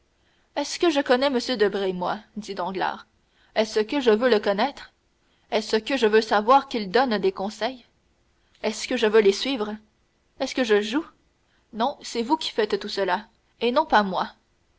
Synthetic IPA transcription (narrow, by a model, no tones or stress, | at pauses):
ɛskəʒəkɔnɛməsjød̪əbʁemwad̪id̪ɑ̃ɡla̰ːʁ | ɛsəkəʒəvøləkɔnɛt̪χ | ɛsəkʲəʒəvøsavwaːʁkʲild̪ɔnd̪ekɔ̃sɛj | ɛskəʒəvølesɥiːvʁ | ɛskəʒəʒu | nɔ̃sɛvukʲʰi̥fɛt̪t̪ːusəla | enɔ̃pamwa